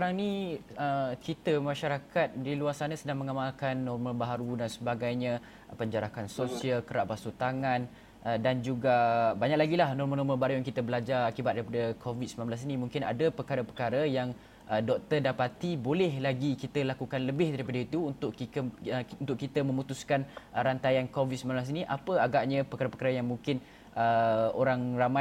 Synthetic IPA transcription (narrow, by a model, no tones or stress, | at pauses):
kaɾaŋniəkit̪əmãʃaɾakat̪̚diluarsanasədaŋmə̃ŋamalkanːɔrmalbaɦaɾudansəbaɡajɲə̃ | pəɲd͡ʒaɾakansosialkəɾaʔbasut̪aŋãn | ədand͡ʒuɡabaɲaklaɡilahnɔrmənɔməlbaɾujaŋkit̪əbəlad͡ʒarakibat̪̚daɾipadəkʰovit̪̚səmnãmblas̬inimuŋkɪna̰dəpəkaɾəpəkaɾəjaŋ | ʔədɔk̚t̪ərdapat̪ibolɛhlaɡikit̪əlakukanləbɪhdaɾipadəit̪uːnt̪ʊʔiəunt̪ʊʔkit̪əmə̃mut̪uskanɾant̪ajankovit̪səmãmblas̬iniʔapəaɡaʔɲə̃pəkaɾəpəkaɾəjaŋmuŋkɪn | ʔəoɾaŋrama